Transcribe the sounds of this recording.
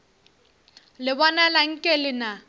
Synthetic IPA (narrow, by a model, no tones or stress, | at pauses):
lɪbɔnalaŋ̩kʼɛlɪna